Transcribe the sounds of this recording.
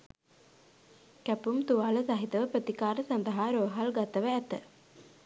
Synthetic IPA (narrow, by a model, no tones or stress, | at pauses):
kæpumt̪uʋaːləsaɦit̪əʋəpɾət̪ikaːɾəsand̪əɦaːɾoːɦalɡat̪əʋəæt̪ə